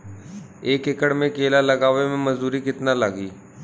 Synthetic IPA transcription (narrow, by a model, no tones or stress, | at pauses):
eːkekəɽmẽkeːlalɐɡaːʋemẽməzuːɾiːkɪt̪nalaːɡiː